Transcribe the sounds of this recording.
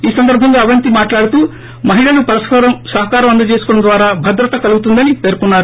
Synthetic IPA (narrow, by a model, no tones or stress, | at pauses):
iːsɐnd̪ɐɾbʱɐŋɡaːɐʋɐnt̪imaːʈlaːɽut̪uː | mɐɦiɭɐlupɾɐskɐɾɐmsɐɦɐkaːɾɐmɐnd̪ɐt͡ʃeːsu̥kɔːɽɐmd̪ʋaːɾaːbʱɐd̪ɾɐt̪ɐkɐluɡut̪und̪ɐnipe̞ːɾkunːaːɾu